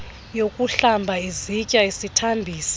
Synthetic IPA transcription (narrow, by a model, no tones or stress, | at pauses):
jokʼuɬambʱaizicʼaesitʰambʱiːsi̥